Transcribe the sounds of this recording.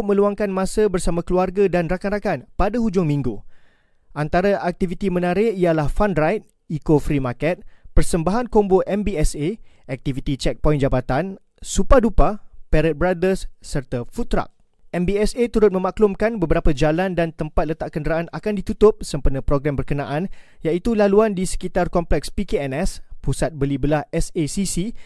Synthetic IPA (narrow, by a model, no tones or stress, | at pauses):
mə̃luaŋkanmãsəbərsamãkəluarɡadanrakanrakanpadahud͡ʒʊŋmĩŋɡu | ʔant̪aɾaʔak̚t̪ivit̪imə̃naɾɪialahfanrajt̪̚ | ikofɾimakɛt̪̚pərsəmbaɦankomboʔɛmbiɛseɛk̚t̪ivit̪it͡ʃɛk̚pɔjnd͡ʒabat̪an | supadupapɛɾət̪̚bɾadərsːərt̪afut̪ɾa̰k̚ | ɛmbiɛset̪uɾʊt̪̚mə̃maklʊmkanbəbəɾapad͡ʒalandant̪əmpat̪̚lət̪aʔkəndəɾaanakandit̪ut̪ʊp̚səmpərnəpɾoɡɾambərkənaʔanjait̪ulaluandisə̥kit̪arkɔmplɛkspikeɛnɛspusat̪̚bəlibəlahɛsesisi